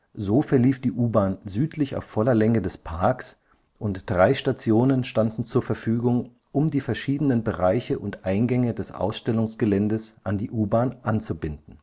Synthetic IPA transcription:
zoːfɛɐliːfd̥iːʔuːbaːnzyːtʰlɪça̰ʊfːɔlɐlɛŋədɛspʰaɐks | ʔʊntd̥ʁaɪʃtat͡sjoːnənʃtandn̩t͡suːɐfɛɐfyːɡʊŋ | ʔʊmdiːfɛɐʃiːdənənbəʁaɪçəʔʊntʔaɪnɡɛŋədɛsʔa̰ʊsʃtɛlʊŋsɡ̥əlɛndəsʔandiːʔuːbaːnʔant͡subɪndn̩

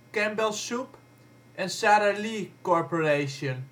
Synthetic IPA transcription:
kɛ̃mbəlˠsup | ʔɛ̃nsæɾəɹlikɔɹpɔɹeʃə̃n

